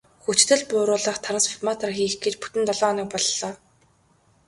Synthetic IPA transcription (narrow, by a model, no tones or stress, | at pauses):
xut͡ɕt̪ɘ̆ɮpʊːɾʊːɮə̆χt̪ʰaɾə̆nsfitmat̪ʰarxiːxɡet͡ɕpu̥t̪ɘ̆nt̪ɔɮɔːniːk̚pɔɮːɔː